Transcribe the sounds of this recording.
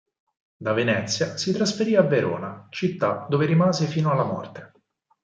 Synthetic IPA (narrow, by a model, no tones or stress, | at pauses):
d̪avenɛt̪sːjasit̪ɾasfeɾiːavːeɾo̰ːnat͡ʃit̪ːad̪oːveɾimaːzefiːnoalːamɔ̰rt̪e̥